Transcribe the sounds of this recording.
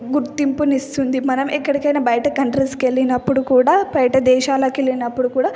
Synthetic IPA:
ɡuɾt̪ːimpunist̪und̪imɐnɐmʔɛkːɐɽikɐjnɐːbɐjʈɐkɐɳʈɾeske̞lːinɐpːuɽukuːɽaːbɐjʈɐd̪ɛːʃaːlɐːkelːinɐpːuɽukuːɽaː

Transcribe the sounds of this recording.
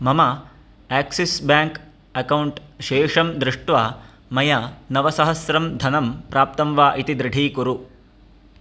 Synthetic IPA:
mɐmɐ | æːksisbjaːŋk | ɐkɐwuɳʈʃeːʂɐmd̪ɾɪʂʈʋaː | mɐjɐnɐʋɐsɐɦɐsɾɐmd̪ʱɐnɐmpɾaːp̚t̪ɐmʋaːʔit̪id̪ɾɪɖʱiːkuɾu

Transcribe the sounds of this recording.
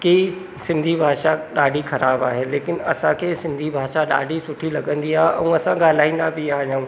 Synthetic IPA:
ki | sɪ̃nd̪ʱibʱaːʃaɗaːɖʱixɐɾaːbaːɦeːleːkɪnɐsãkʰeːsɪ̃nd̪ʱibʱaːʃaɗa̰ːɖʱisʊʈʰilɐɠə̃nd̪iaːɦeɛ̃ːɐsãɠaːl̤aːĩːnd̪abiaːɦijãũː

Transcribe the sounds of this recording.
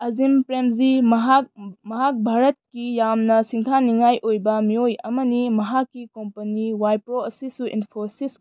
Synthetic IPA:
ɐzimpɾemziɦamɐɦak̚bʱaɾɐt̚kijamnɐsiŋtʰaniŋajʔojbɐmiojɐmɐnimɐɦakːikompɐniwajpɾoɐsisuʔḭnpʰoɾsis

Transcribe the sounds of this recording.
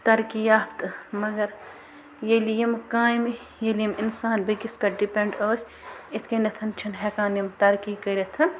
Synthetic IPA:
t̪ɐɾkijaːpʰt̪ɨmɐɡɐɾ | jelijɐmkaːjmi | jelijiminsaːnbɐkispɐɖipʲeɳɖoːsʲ | it̪ʰkɐnɐt̪ʰɐnt͡ʃʰɐnɦɛkaːnjimt̪ɐɾkiːkɐɾʲet̪ʰɐn

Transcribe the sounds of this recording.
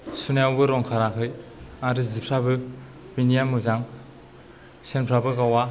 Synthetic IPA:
sunawbɯɾɔŋkʰaɾakʰɯjaɾɯzipʰɾabɯ | binijamɯzaŋ | senpʰɾabɯkawa

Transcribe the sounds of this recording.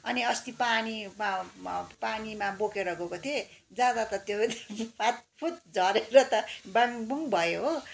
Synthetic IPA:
ʌniʌst̪ipaniapanimabokeɾʌɡokot̪ʰed͡zad̪at̪ʌt̪jomat̪̚pʰut̪d͡zʱʌɾeɾʌt̪ʌbaŋbuŋbʱʌjoɦo

